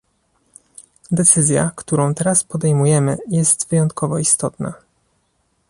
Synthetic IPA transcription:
d̪ɛt̪sɘzʲja̰kt̪uɾɔ̃w̃t̪ɛɾaspɔd̪ɛjmujɛmɘjɛst̪vɘjɔnt̪kʰɔvɔist̪ɔt̪na̰

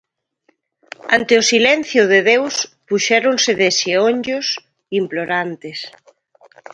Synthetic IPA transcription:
ant̪ɪʊsilɛn̟θjʊðɪðewspuʃɛɾonsɪðɪsioɲd͡ʒʊs | imploɾant̪ɪs

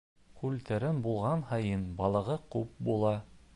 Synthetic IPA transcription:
kʉlt̪ɘ̆ɾɘnbulˠʁɑnhɑjɤnbɑlˠɤ̆ʁɤqʉp̚bulˠɑ

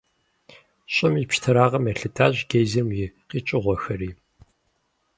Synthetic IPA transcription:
ɕʼʊmipʃtʰɐɾaːʁɐmɐɬɨtʰaːʑɡejzɐmjɪqiːt͡ʃʼɪʁʷɔxɐriː

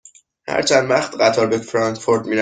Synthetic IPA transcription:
hæ̰ɾt͡ʃʰænd̪væχt̪ɢæt̪ʰɒɾbekfɾɒnt̪foɾd̪miːɾæ

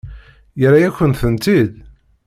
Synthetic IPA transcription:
jəɾajækʷːənt̪θənt̪id̪

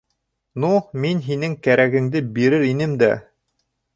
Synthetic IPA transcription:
numinɦinɘŋkæɾæɡɘ̆ŋd̪ɘbiɾɘɾinɘmd̪æ

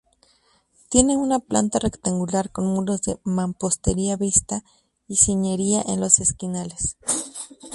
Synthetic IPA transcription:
t̪je̞neunapla̰nt̪arekt̪aŋɡulaɾkonmuɾozðḛmampost̪eɾiaβist̪a | isiɲeɾiaʔḛnlo̞seskinales

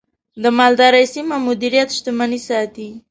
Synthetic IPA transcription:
d̪əmɑld̪ɑɾəjsimamʊd̪iɾijat̪ʃt̪əmanisɑt̪i

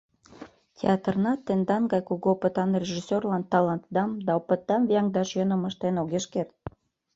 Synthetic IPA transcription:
tʲḛɑt̪ərnɑt̪ːend̪ɑnɡɑjkuɣopət̪ɑnrʲeʒisʲerlɑnt̪ɑlɑnt̪d̪ɑmd̪ɑopət̪̚ːɑmviɑŋd̪ɑʃjənə̆məʃt̪enoɣeʃkert̪̚

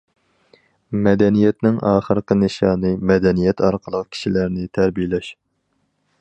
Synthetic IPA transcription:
mɛd̪ɛnijɛt̪nɪŋɑːχəɾqənɨʃɑːnɨmɛd̪ɛnijɛt̪ʰɑɾqʰəlˠəqkʲʰi̥ʃilæɾnɪt̪ʰæɾbijɪlɛʃ

